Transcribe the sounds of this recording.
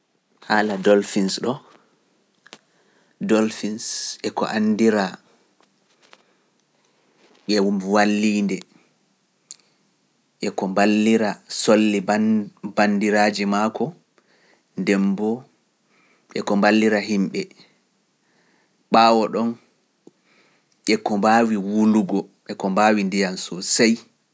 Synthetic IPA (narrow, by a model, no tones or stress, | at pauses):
haːladɔlfinsɗɔ | dɔlfinsʔɛkɔ̰ʔandiɾa | ɓɛwuwalːiːndɛ | ʔɛkɔmbalːiɾasolːibandiɾaːd͡ʒimakɔ | ndɛmbɔ | ɛkɔmbalːiɾaɦimɓɛ | ɓaːwɔɗɔn | ʔɛkɔmbaːwiwuluɡɔʔɛkɔmbaːwindijansɔsaj